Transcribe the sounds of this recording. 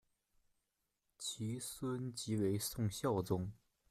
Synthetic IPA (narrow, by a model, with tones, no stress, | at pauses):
t͡ɕʰi˧˥swə˥nt͡ɕi˧˥we˧˥ɪsʊ˥˧ŋɕjɑ˥˩ʊt͡sʊ˥ŋ